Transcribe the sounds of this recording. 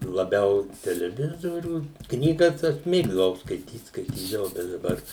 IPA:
lˠɐˈbʲɛʊ tʲɛlʲɛˈʋʲɪzoːrʲuː ˈknʲiːɡɐs ˈɐʃ ˈmʲeːɡdɐʋɐʊ skɐɪˈtʲiːt skɐɪˈtʲiːdɐʋɐʊ bʲɛt dɐˈbɐr

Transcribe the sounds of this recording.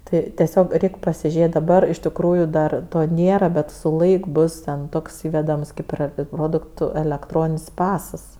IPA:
ˈtɐɪ tʲɛˈsʲoːk ˈrʲɛɪkʲ pɐsʲɪˈʒʲeːtʲ dɐˈbɐr ɪʃ tʲɪkˈruːjʊ dɐr ˈtoː ˈnʲeːrɐ ˈbʲɛt sʊ ˈlˠɐɪk ˈbʊs tʲɛn ˈtoːks ˈiːʋʲɛdɐms ˈkɐɪp ɪr ˈproːdʊktʊ ɛlʲɛkˈtroːnʲɪnʲsʲ ˈpɑːsɐs

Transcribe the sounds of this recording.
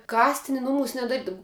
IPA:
ˈkɑːsʲtʲɪnʲɪ ˈnʊmuːs nʲɛdɐˈrʲiːdɐw

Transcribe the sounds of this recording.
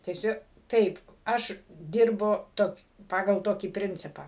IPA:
tʲɛˈsʲʊ ˈtɐɪp ˈɐʃ ˈdʲɪrbʊ ˈtoːkʲ ˈpɑːɡɐlˠ ˈtoːkʲiː ˈpʲrʲɪnʲt͡sʲɪpɑː

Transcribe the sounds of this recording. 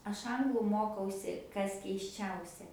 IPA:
ˈɐʃ ˈɐŋɡlˠʊ ˈmoːkɐʊsʲɪ ˈkɐs kʲɛɪsʲˈt͡ʃʲɛʊsʲɛ

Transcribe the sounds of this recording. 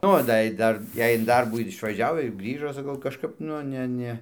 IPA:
ˈoː dɐ ɪ ˈdɐr ˈjɛɪ ɪn ˈdɐrbuː ɪr ɪʃʋɐˈʒʲɛʊ ɪr ˈɡrʲiːʒoː sɐˈkɐʊ kɐʃˈkɐp nʊ ˈnʲɛ ˈnʲɛ

